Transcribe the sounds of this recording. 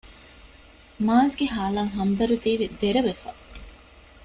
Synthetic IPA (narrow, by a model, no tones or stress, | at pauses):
maːsɡeɦaːlaːŋɦɐmd̪ɐɾut̪iːʋid̪eɾɐʋefɐ̰